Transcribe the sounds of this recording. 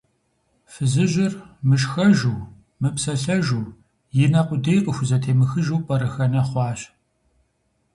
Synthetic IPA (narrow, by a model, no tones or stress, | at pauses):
fɨzɨʑɪrmɨʃxɐʒuː | mɨpsɐɬɐʒuː | jɪnɐqʷʼʊdejqʼəxʷʊzɐtʰeːmɨxɨʒuːpʼɐɾɨxɐnɐχʷɑːɕ